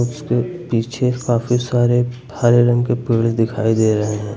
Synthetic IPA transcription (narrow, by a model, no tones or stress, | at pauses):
ʊskepiːt͡ʃʰekaːfisaːɾebʱaːɾeɾə̃ŋkepɪɭsd̪ɪkʰaːid̪eːɾɐɦeɦɛ̃ː